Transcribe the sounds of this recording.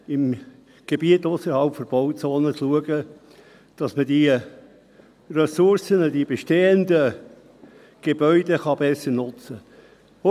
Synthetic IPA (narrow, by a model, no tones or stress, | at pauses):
ɪm | ɡ̥ebiətʊsəɾhɑlpfɔb̥ɔʊt͡soːnət͡sluəɡə | d̥ɑsmədi | rɛsʊɾsənəd̥ib̥eʃteːəndə | ɡ̥eb̥œʏd̥eχɑbɛsəɾnʊt͡sə